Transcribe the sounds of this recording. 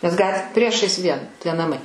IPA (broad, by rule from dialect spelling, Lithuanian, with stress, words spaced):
nʲɛs ˈɡɐt ˈpʲrʲiɛʃɐɪs ˈʋʲiɛn tʲiɛ nɐˈmɐɪ